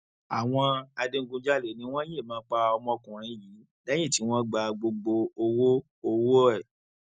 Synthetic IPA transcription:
a˨w̃ɔ̃˧a˧dẽ˦˧ŋ̩˦ɡũ˧˦d͡ʒa˦le˨nĩ˨˦w̃ɔ̃˦je˦˨mãː˨˦k͡pa˧ɔ˧mɔ̃˧kũ˨ɾ̃ĩ˨˦ji˨˦ | da˦jĩ˦˨ti˨˦w̃ɔ̃˦ɡ͡ba˧ɡ͡bo˧ɡ͡bo˧o˧wo˦ | o˧wo˦ɛ˦˨

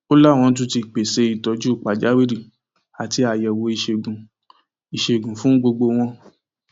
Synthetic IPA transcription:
o˦la˦˨w̃ɔ̃˧˦t̬ũ˧˦ti˧k͡pe˨se˧˦i˨tɔ˧˦d͡ʒu˦˨k͡pa˨d͡ʒa˨˦wi˦ɾi˨ | a˨ti˧a˨jɛ˨wo˨˧˦i˧ʃe˧˨ɡũ˨ | i˨ʃe˧˨ɡũ˨fũ˦ɡ͡bo˧ɡ͡bo˧w̃ɔ̃˧

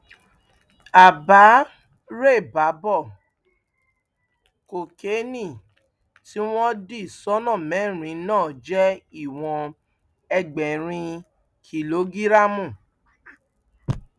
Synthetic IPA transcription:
a˨ba˨˦ | ɾe˦˨ba˨˦bɔ˦˨ | ko˨ke˨˦nĩ˦˨ | ti˦w̃ɔ̃˦di˦˨sɔ˦nã˦˨mɛ̃˨˦˨ɾ̃ĩ˨˦nãː˦˨d͡ʒɛ˦i˦˨w̃ɔ̃˧ | ɛ˧ɡ͡bɛ˨ɾ̃ĩ˧ | kʰi˨lo˨˦ɡi˦ɾa˦mũ˦˨

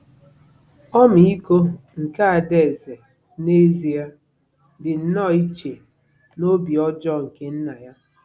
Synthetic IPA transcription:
ɔ˦m̩˨i˦ko˦ŋ̩˨ka˦a˨de˨ze˨ | ne˦zi˨a˦ | dɪ˨n̩˨nɔ˦˨i˦t͡ʃe˨ | no˦bi˨ɔ˦d͡ʒɔ˦ŋ̩˨ke˦n̩˦na˨ja˦

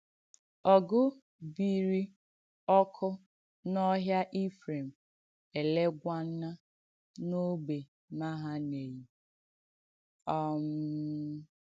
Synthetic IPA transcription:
ɔ˨ɡʊ˦ | bi˨ɾi˦ | ɔ˦kʰʊ˦ | nɔ˦ɦja˦ʔi˦fɾe˨m̩˨ | e˨le˦ɡʷa˦n̩˦a˦ | no˦be˨ | ma˦ɦa˦ne˨ji˨ | ɔ˦m˦

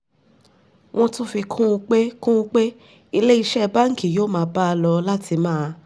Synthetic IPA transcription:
w̃ɔ̃˦tũ˦fi˧kʰũ˦ũ˧k͡pe˦kũ˦˧˦k͡pe˦ | i˧le˦i˧ʃɛ˦˧ba˦ŋ̩˦ki˨jo˦mãː˨˧˦ba˦a˧lɔ˧la˦tʰi˧mãː˦˧

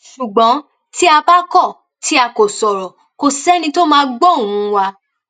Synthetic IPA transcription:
ʃu˨ɡ͡bɔ̃˨˦ | ti˦a˧ba˦kɔ˦˨ | tʰi˦a˧ko˨sɔ˨ɾɔ˨ | ko˧sɛ˦nĩ˧to˦mãː˧˦ɡ͡bɔ˦˨ũ˨˦˧wa˧

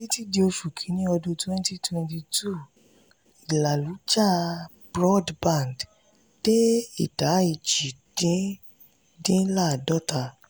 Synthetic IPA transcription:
i˦ti˦di˧o˧fu˨kʰĩ˨˦nĩ˦ɔ˧dõ˧twɛ̃˦n˦ti˦twɛ̃˧nti˧tu˦˨ | i˨la˨lu˨˦d͡ʒa˦˨ | bɾɔ˦dbã˦˨nd | d̥e˦i˦˨ta˨˦i˨d͡ʒi˨d̥ĩ˨˦ | dĩ˦la˦˨dɔ˦ta˦˨

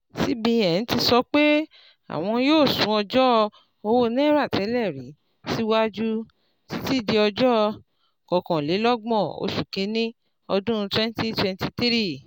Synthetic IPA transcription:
si˦bĩ˧˦ɛ˨ñ̩˨˦ti˧sɔ˧k͡pe˦ | a̰˨w̃ɔ̃˧joː˦˨sũ˨˦ɔ˧d͡ʒɔ˦ | o˧wo˦nɛ̃˦ɾa˦˨tʰɛ˨˦lɛ˦˨ɾi˨˦ | si˦wa˦d͡ʒu˦ | ti˦ti˦˨de˧ɔ˧d͡ʒɔ˦˧ | kɔ˨kɔ̃˨le˨˦lɔ˦ɡ͡bɔ̃˦˨o̰˧ʃu˨ke˨˧˦nĩ˦ | ɔ˧dũ˦˧twɛ̃˦n˦ti˦twɛ˧nti˧t̪i˦ɾi˦˨

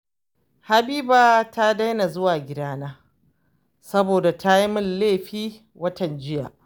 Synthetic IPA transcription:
ha˨biː˦baː˨ta˦da˦jna˨zʊ˦waː˨ɡʲɪ˦daː˦naː˦ | sɐ˦boː˨da˨ta˦ji˦mʊ˦lleː˦˨ɸiː˦ | wɐ˦tɐ˨nd͡ʒɪ˦ja̰ː˨ʔ

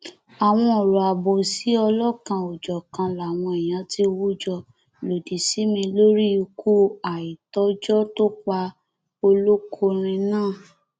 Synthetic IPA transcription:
a˨w̃ɔ̃˧ɔ˨ɾɔ˨a˨bo˨si˨˦ɔ˧lɔ˦˨kã˧o˨d͡ʒɔ˨kã˧la˨w̃ɔ̃˧i˨j̃ã˨˦ti˦˧wu˦d͡ʒɔ˧ | lo˨di˨si˨˦mĩ˧lo˦ɾi˦u˧kʰu˦a˨i˨tɔ˨˦d͡ʒɔ˦to˦k͡pa˧ | o˧lo˦kʰo˧ɾ̃ĩ˧nãː˦˨

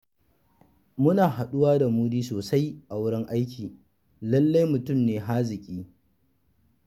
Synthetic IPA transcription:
mʊ˦naː˨ha˨ɗʊ˦waː˦da˨muː˦diː˦soː˨sa˦jʔa˨wʊ˦ɽɪ˦ŋʔa˦jkʲiː˨ | lɐ˦lːa˦jmʊ˨tʊ˦˨mneː˨ɦa˦zɪ˨kʲʼiː˦

